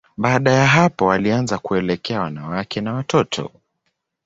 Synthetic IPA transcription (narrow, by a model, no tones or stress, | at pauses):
ɓaːɗajaɦapɔwalianzakuɛlɛkɛawanawakʰɛnawatʰɔtʰɔ̰